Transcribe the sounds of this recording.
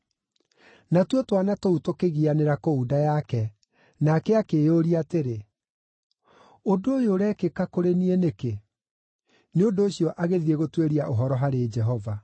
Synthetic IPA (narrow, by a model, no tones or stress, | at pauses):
natwotwanatoutokeɣianeɾakoudajakɛ | nakɛakeːjoɾiateɾe | odoojoɾɛːkekakoɾenieneke | neondoːɕijɔʔaɣeðieɣotweɾiaʔoɦɔɾɔɦaɾed͡ʒɛɦɔva